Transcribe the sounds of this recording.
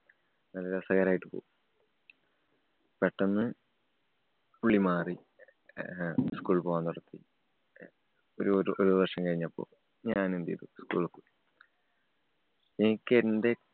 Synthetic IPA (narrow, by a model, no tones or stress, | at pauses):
nɐlːɐɾesɐɣɐɾaːjiʈːɨpo̰ːu | peʈːɐnːɨ | uɭimaːri | skuːɭpoːʋant̪uɽɐt̪ːi | oɾuɾʔoɾuɐrʂɐmkɐɻiɲːɐpːo̰ː | ɲaːnend̪ḭjðṵskṵːɭkːu | enikʲːende̞